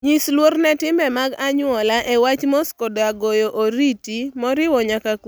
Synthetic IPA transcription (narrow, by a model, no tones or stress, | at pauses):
ɲislwornɛtɪmbɛmaɡaɲʊɔlaʔewat͡ʃmɔskɔdaɡojoʔoɾitimɔɾɪwɔɲakak